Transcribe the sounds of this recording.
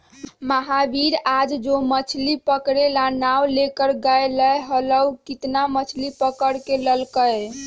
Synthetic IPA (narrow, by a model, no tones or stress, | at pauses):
məɦabiɾad͡ʒd͡ʒomət͡ʃʰlipəkɾelanawlekəɾɡajləjɦələwkit̪namət͡ʃʰlipəkəɽkeləlkəj